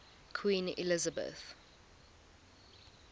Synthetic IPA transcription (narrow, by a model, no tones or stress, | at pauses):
kʰwĩːnḭlɪzəbə̰θ